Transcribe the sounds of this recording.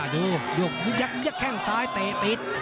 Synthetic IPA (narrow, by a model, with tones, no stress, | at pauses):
juː˧˩jo˨˩k̚juː˧˦˥ja˦˥k̚i˦˥əkʰɛ˧˩ŋsaː˦˥jt̪eː˨˧˩pi˧˩t̪̚